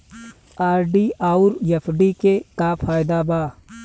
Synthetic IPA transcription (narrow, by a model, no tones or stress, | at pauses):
aːɾɖiaːʊɾjepʰɖikekapʰaːjd̪abaː